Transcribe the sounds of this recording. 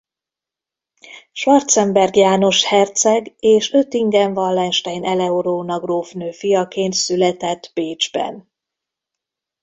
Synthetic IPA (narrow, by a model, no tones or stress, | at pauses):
ʃʋɒrt̪sɛmbɛrɡjaːno̞ʃhɛrt̪sɛɡeːʃøt̪iŋɡɛɱvɒlːɛnʃt̪ɛjnʔɛlɛoɾoːnɒɡroːfnøːfijɒkeːnt̪sylɛt̪ɛt̪ːb̥eːd͡ʒbɛ̰n